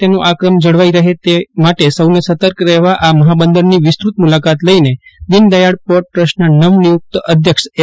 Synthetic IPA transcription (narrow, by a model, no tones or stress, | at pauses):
t̪enũʔakɾəmd͡ʒəɽʋaiɾəɦet̪emaʈesəwnesət̪əɾkɾɛɦʋaʔaməɦabənd̪əɾniʋɪst̪ɾut̪mulakat̪ləined̪ind̪əjaɽpoʈ̚pɾəʃnanəʋnijuk̚t̪əd̪ʱjəkʃe